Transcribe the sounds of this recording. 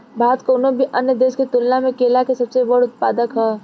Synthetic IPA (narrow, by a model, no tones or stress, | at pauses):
bʱaːt̪koːnobʱiʔənjəd̪eːsket̪ʊlnamẽkeːlakesɐbsebɐɽʊt̪̚paːd̪əkɦɛː